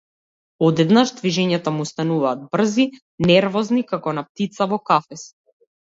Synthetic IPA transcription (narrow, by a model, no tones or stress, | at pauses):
ɔd̪ɛd̪naʒd̪viʒɛɲat̪amuːst̪anuvaːd̪̚br̩zi | nɛɾvɔznikakɔnap̚t̪it̪savɔkafɛs